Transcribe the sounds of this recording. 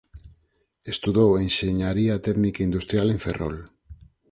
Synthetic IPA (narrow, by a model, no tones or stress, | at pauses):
e̞st̪uðowenseɲaɾiat̪eɣnikeind̪ust̪ɾijale̞ɱfe̞̰ro̰l